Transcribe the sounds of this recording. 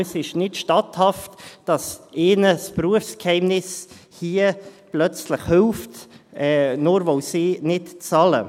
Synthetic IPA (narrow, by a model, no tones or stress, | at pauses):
sɪʃnɪtʃtɑthɑftd̥ɑsʔeːnəspruəfskhɛɪmnɪshiːəplœt͡sləχhʏlftɛːnoːɾvoʊsiːnɪtt͡sɑlə̰